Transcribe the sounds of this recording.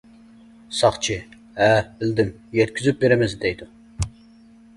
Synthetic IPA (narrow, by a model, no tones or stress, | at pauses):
sɑχt͡ʃʰi | æbɪld̪ɪm | jɛt̪kʲʰyzyp̚beɾɪmɪzd̪ɛjd̪u